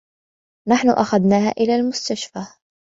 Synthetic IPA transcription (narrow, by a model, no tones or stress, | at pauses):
naħnʊʔaxaðnaːhaːʔɪlaːlmʊst̪aʃfaː